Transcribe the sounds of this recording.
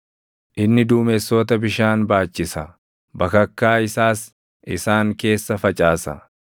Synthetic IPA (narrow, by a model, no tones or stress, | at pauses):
ʔɪnːɪd̪uːmɛsːɔt̪ɐbɪʃaːnbaːt͡ʃːɪsɐ | bɐkɐkːaːɪsaːs | ʔɪsaːŋke̞ːsːɐfɐt͡ʃʼaːsɐ̰